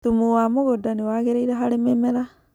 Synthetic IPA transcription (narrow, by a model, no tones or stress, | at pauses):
tumuwamoɣodanewaɣeɾeiɾeɦaɾememɛɾa